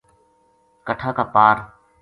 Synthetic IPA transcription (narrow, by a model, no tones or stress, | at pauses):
kəʈʰaːkaːpaːɾ